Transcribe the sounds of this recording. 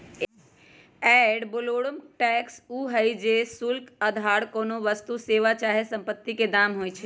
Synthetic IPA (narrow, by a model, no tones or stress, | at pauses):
ɛɖboloɽəmʈɛksuɦəjd͡ʒesulkəd̪ʱaɽkonoʋəst̪useʋat͡ʃaɦesə̃mpət̪ːiked̪amɦojt͡ʃʰɛ